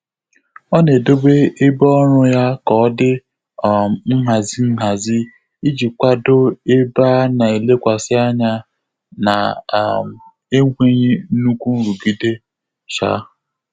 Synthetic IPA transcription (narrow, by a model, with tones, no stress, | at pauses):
ɔ˦ne˨do˦be˦e˦bɔ˦ɔ˦ɾʊ˦ja˦kɔ˦dɪ˦˨ | m̩˦ɦa˨zi˦m̩˦ɦa˨zi˦ | i˦d͡ʒi˨kʷa˦do˦e˦ba˦na˨e˨le˦kʷa˨sɪ˦a˦ɲa˦ | na̰˨m | e˦ŋʷe˦ɲi˦nu˦kʷu˦n̩˦ɾu˨ɡi˦de˦ | ʃa̰˦˨